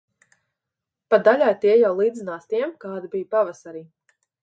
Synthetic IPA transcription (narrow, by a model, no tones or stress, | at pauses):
pad̪alʲajt̪iɛjawlˠiːd̪zinaːst̪iɛmkaːd̪ibijpavasaɾiː